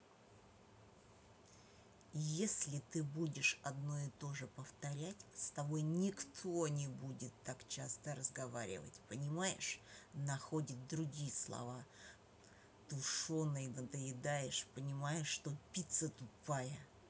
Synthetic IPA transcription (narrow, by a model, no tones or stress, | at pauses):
jesʲlʲɪt̪ɨbudʲɪʂɐd̪no̞ɪt̪o̞ʐɨpəft̪ɐɾʲætʲst̪ɐbo̞jnʲɪkt̪ʰo̞nʲɪbudʲɪt̪ːakt͡ɕast̪əɾəzɡɐvaɾʲɪ̰və̰tʲpənʲɪmajɪ̰ʂnɐxodʲɪt̪̚d̪ɾʊɡʲijɪslˠɐ̰va | t̪ʊʂonːəjnəd̪əjɪd̪ajɪʂpənʲɪmajɪʂːt̪o̞pʲit̪sət̪ʊpajə